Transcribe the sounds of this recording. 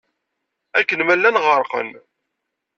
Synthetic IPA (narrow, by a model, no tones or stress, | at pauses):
ækːənmælːænʁəɾˤqə̰n